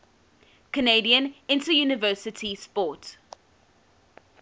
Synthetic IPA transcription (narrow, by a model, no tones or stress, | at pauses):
kʰəneɪdiə̃nɪ̃ntəjuːnɪvɜːˑsɪtʰispɔˑt